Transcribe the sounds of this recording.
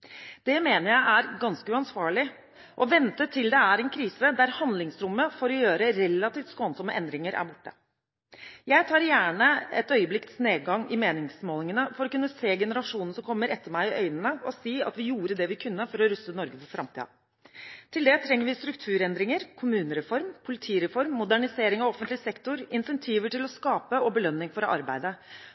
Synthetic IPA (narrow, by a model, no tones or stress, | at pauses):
d̪̥ɛmeːnəɾjæɪʔæɾɡɑnskəʉɑnsʋɑːɭɪ | ʔɔʋɛnt̪ət̪ʰɪld̪ɛæɾɛnkʰɾiːsəd̪æɾhɑnd̪lɪŋsɾʊmːəfoːɾɔjøːɾəɾɛlːɑt̪iːft̪skoːnsɔmːəʔɛnd̪ɾɪŋəɾʔæ̰ɾbʊʈːə | jæɪt̪ʰɑːɾjæːɳəɛ̰t̪œʏəblɪkt̪sneːɡɑŋɪmeːnɪŋsmoːlɪŋənəfɔɾɔkʉnːəseːɡɛnəɾɑʂuːnn̩sɔmkʰɔmːəɾɛt̪ʰːəmæɪɪʔœʏnənəɔsiːɑ̰t̪ʋɪjuːɾəd̪ɛʋɪkʰʉnːəfɔɾɔɾʉsənɔɾɡəpɔfɾʔɑmt̪ʰḭːɑ̰ | t̪ʰɪld̪ɛt̪ʰɾɛŋːəɾʋɪst̪ɾʉk̚t̪ʰʉːɾɛnd̪ɾɪŋəɾkʰʊmʉːnəɾɛfɔɾmpʰʊlɪt̪ʰiːɾɛfɔɾmːʊd̪æɳɪseːɾɪŋɑʋɔfːənt̪lɪsɛkt̪ʊɾɪnsɛnt̪ʰiːʋəʈɪlɔskɑːpəɔbəlœnːɪŋfɔɾɑ̰ɾbæɪd̪ə